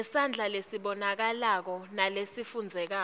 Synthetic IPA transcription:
ɛsand͡ɮʱalesiɓɔnak̬alak̬ɔnalesifund͡zʱɛk̬a

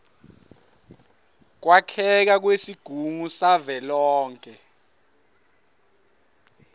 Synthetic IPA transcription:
k̬wakʰɛk̬ak̬wesiɡ̥ʱuŋusavɛlɔːŋkʼɛ

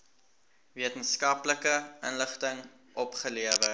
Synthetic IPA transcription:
viətənskɐpləkəənləχtəŋ | ʔɔpχəliəvə

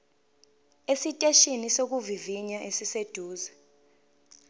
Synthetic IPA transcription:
esitʼeʃinisok̬uviviɲaʔesised̥ʱuːza

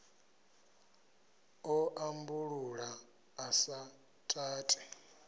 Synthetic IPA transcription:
ɔʔambuɺuɺaː | sa | tʼaːtʼi̥

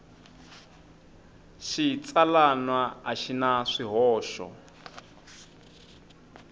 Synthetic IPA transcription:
ʃit͡salanwaaʃinaʂiɦɔːʃɔ̰

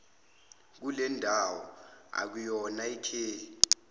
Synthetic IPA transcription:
k̬ulɛndʱawɔa̰k̬ujɔnaikʰeː

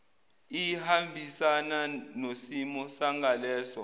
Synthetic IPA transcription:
ijihambʱisananosimɔsaŋalɛːsɔ

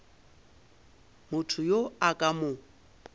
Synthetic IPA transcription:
mʊtʰʊjoakʼamʊ

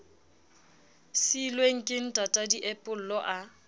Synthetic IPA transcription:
silweŋ̩kʼɪŋ̩tʼatʼadiʔɛpʼʊl̩lɔʔa

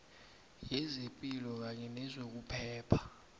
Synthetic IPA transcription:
jɛzepʼilɔk̬aɲɛnɛzok̬upʰɛːpʰḁ

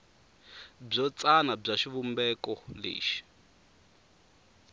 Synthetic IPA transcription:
b͡ʐɔt͡sanab͡ʐaʃiβumbɛkɔlḛːʃi̥

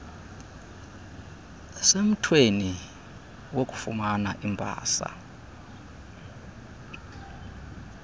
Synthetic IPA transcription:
sem̩tʰweni | wokʼu̥fṵmanaʔimbʱa̰ːsa̰

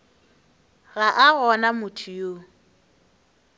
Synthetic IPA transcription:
ɣaʔaɣɔnamʊtʰʊjo

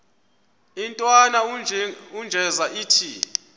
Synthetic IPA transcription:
intʼwana | und͡ʒʱɛzaʔiːtʰi

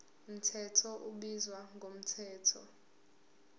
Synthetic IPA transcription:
m̩tʰɛtʰɔʔuɓizwaŋɡʱom̩tʰɛːtʰɔ

